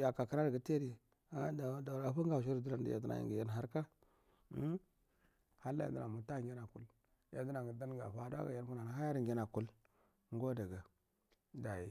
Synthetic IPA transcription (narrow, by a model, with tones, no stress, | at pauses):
ja˨ka˨ka˦ɾa˦ɾɡa˨te˦ɾi˨ | a˦da˨da˨ɾa˨ɸu˦ŋ˦ɡa˨ʃ̬i˦ɾdu˦ɾa˦n˦dḭ˨ja̰˨di˦na̰˨jḭ˨ŋɡi˨ja˦n˨ɦa˦ɾka˦ | ha˦lːa̰˦a̰˨da˦˨na˨mu˨ta˦˨ɡʲi˦na˨ku˦l | ja˨di˦na˨ŋ˨ɡi˨da˦n˦ɡa̰˨ɸa˦da̰˦ɡa̰˨ja˦n˦ku˦na˨n˨ɦa˦ja˦ɾŋɡi˦na˨ku˦l | ŋɡo˦da˨ɡa˨ | da˨ji˨